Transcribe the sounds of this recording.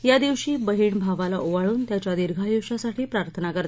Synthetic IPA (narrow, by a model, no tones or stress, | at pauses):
jad̪iʋɕiːbəɦiːɳbʱaʋalaʔoʋaɭuːnt̪jat͡ɕjad̪iɾɡʱajiʋɕasaʈʰiːpɾaɾt̪ʰənakəɾt̪